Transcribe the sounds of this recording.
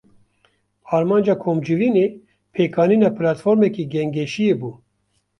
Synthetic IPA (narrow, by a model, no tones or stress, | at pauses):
ɑːɾmɑːnd͡ʒɑːkʰoːmd͡ʒɨviːneː | pʰeːkɑːniːnɑːpʰɨlɑːt̪foːɾmɛkiːɡɛŋɡɛʃijeːbuː